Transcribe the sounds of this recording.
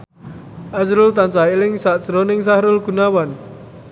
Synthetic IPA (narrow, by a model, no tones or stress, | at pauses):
ʔasɾʊlt̪ant͡ʃailɪŋsaʔsɾonɪŋsahɾʊlɡ̥ṳnawan